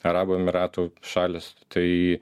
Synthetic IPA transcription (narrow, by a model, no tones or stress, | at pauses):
ɐɾɑːboːɛmʲɪɾɑːt̪uːʃɑːlʲɪst̪ʰɐɪi